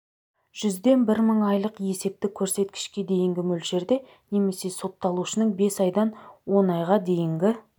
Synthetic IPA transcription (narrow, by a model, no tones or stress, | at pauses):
ʒ̥ʏzd̪e̞nbɪɾməɴɑjlˠəqje̞se̞p̚t̪ɪkʲʰɵɾse̞t̪kʲɪ̥ʃkʲe̞d̪e̞jɪŋɡʲɪmɵlʒe̞ɾd̪e̞ | ne̞me̞se̞so̞t̪ːɑlˠuʃənəɴbe̞sɑjd̪ɑnwo̞nɑjʁɑd̪e̞jɪŋɡʲɪ